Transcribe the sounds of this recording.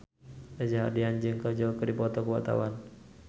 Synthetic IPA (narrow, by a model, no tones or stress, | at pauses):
ad͡ʒaɦa̰rdiand͡ʒɨŋkəd͡ʒəlkədipɔt̪ɔkəwat̪a̰wan